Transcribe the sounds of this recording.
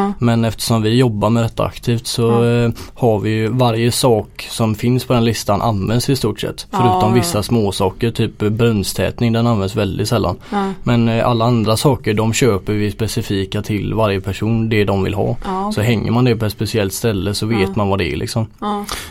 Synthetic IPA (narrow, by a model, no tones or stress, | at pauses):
mɛnɛft̪ə̥ʂɔmvɪjɔbːaɾmɛd̪ɛt̪ːa̰a̰kt̪ʰiːft̪sɔ | haɾvɪjɵvaɾjəsɑːksɔmfɪnspʰɔd̪ɛnlɪst̪anʔa̰nvɛnd̪sɪst̪uːʈsɛ̰t̪ːfœɾʉ̟ːt̪ɔmvɪsːasmoːsɑːkəɾʈ̪ʰyːpbɾɵnːst̪ʰɛ̰ːt̪nɪŋd̪ɛnanvɛnsvɛld̪ɪt̪sɛlːa̰nmɛna̰lːaand̪ɾasɑːkəɖɔmɕøːpəɾvɪspɛsɪfiːkat̪ʰɪlvaɾjəpʰæʂuːnd̪ɛd̪ɔmvɪ̰lɦɑ̰ːsɔɦɛŋːə̰ɾmand̪ɛpʰɔɛt̪spɛsɪɛlt̪st̪ɛlːəsɔveːt̪manvad̪ɛæ̰ɭʔɪ̰ksɔm